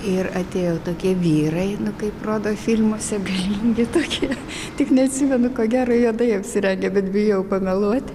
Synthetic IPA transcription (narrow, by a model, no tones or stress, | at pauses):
ɪrɐt̪ʲeːjoːt̪oːkʲiɛʋʲiːɾɐɪnʊkɐɪproːd̪oːfʲɪlʲmoːsʲɛɡɐlʲiːŋʲɡʲɪt̪oːkʲiɛ | t̪ʲɪknʲɛɐt̪ʲsʲimʲɛnʊkoːɡʲæːɾoːjoɔd̪ɐɪɐpʲsʲɪɾʲɛŋʲɡʲɛbʲɛt̪bʲɪjojɛʊpɐmʲɛlˠuɔt̪ʲ